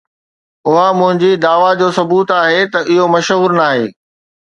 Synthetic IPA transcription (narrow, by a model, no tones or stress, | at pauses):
ʊɦamʊ̃ɦɪ̃ɲd͡ʑid̪aːʋad͡ʑoːsɐbuːt̪aːɦet̪ɐʔɪɦomɐʃɦuːɾnaːɦeː